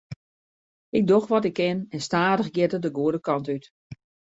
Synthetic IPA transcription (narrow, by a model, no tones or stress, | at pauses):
ɪk̚doxʋɔtɪkːɪnɛnstaːdəxɡjɪtədəɡuədəkɑntyt